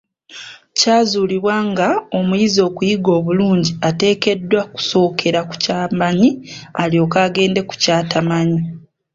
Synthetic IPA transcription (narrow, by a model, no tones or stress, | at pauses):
caːzuːliβwaŋɡao̞mujizo̞ːkujiɡo̞ːβuluːɲɟiate̞ːke̞dːwaku̥so̞ːkʰe̞ɾaku̥caːmaɲialio̞kaːɡe̞ːnde̞ku̥caːtamaɲi